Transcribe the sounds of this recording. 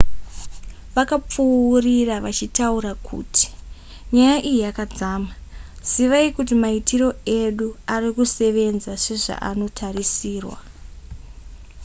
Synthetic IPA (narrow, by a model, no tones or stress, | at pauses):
ʋakap͡furiraʋat͡ʃitauɾakʰṵːtʰi̥ | ɲajaʔijiakad͡zaːmaz̥iʋaikutimaitʰiro̞e̞ɗuarikuse̞ʋe̞nzase̞ʐa̰ʔa̰no̞tʰarisiːrwa̰